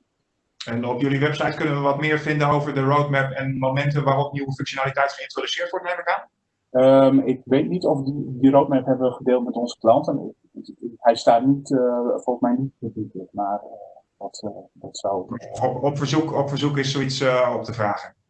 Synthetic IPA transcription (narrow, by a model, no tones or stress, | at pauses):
ɛnɔpjøliʋɛpsajtkɵnənʋəʋɑtmɪːɹvɪndənowvəɹdərowtmɛpɛnmomɛntənʋaːrɔpniwəfŋksjonaːlitɛjtχəɪntrodysɪːɹtʋɔɹtnɛjməkaːn | əmɪkʋejtnitɔfdidirowt̚mɛpɦɛbəʋəχədɪːlˠtmɛtɔnzə̥klɑntənɪ̰ | hɛjstaːtnitfɔlˠχəsmɛjnitəbitəmaːrədɔtdɔtsɔwɔpfəɹzukɔpfəɹzukɪsowitsɔp̚təvraːχən